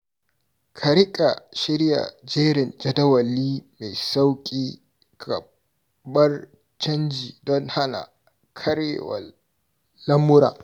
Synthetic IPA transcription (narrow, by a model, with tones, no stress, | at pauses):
kʰɐ˨ɾɪ˦kʼa˨ʃɪ˦ɾja̰˨d͡ʒeː˦ɾɪ˨nd͡ʒɐ˦dɐ˦wɐ˨lːiː˦me˨jsa˦wkʲʼiː˦ | kʰɐ˨ | bɐ˦r | t͡ʃɐ˦nd͡ʒiː˨dɔ˦nha˦na̰˨ | kʰɐ˦ɾḛ˦wɐ̰ː˨ | ɐ˦mːʊ˦ɾa̰ː˨